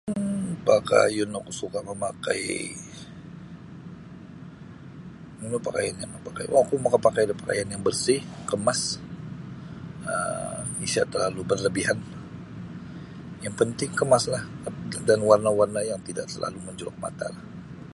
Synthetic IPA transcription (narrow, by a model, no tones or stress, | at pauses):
paka̰jʊnakusukaməmaka̰j | munapakajanjaməpaka̰jʔkumakapakajdapaka̰janjaŋbərsɪhkəmas | ə̰isia̰ʔt̪ərlalubərləbiɦan | jaŋpənt̪ɪŋkəmaslahdanwarnawarnajaŋt̪ida̰ʔsəla̰luməɲd͡ʒoak̚ma̰t̪a̰lah